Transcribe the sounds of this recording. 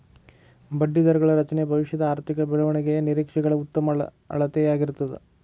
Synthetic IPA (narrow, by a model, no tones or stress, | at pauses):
bɐɖːid̪ɐɾɡɐɭɐɾɐt͡ʃɐnebʱɐʋiʂjɐd̪ɐaːɾt̪ʰikɐbɛɭɐʋɐɳɛɡejɐniɾiːkʂɛɡɐɭɐut̪ːɐmɐ | ɐ̰ɭɐt̪ejaːɡiɾut̪ːɐd̪e